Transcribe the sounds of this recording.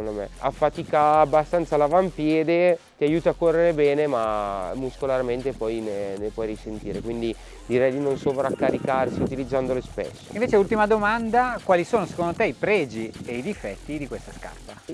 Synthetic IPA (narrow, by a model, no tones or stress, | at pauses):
ond̪omḛa̰fːat̪iːkaːbːast̪ant̪salavampjɛːd̪e | t̪iajuːt̪aːkːorːeɾebɛːnemamuskolarment̪epɔjnenepwɔjrisent̪iːɾekwind̪i | d̪iɾɛjd̪inonsovɾakːaɾikaɾsiut̪ilid̪zːand̪olespḛsːo̰inɱveːt͡ʃeult̪imad̪omand̪akwaːlisoːnose̥kond̪ot̪eipɾɛːd͡ʒieid̪ifɛt̪ːid̪ikwest̪aska̰rt̪a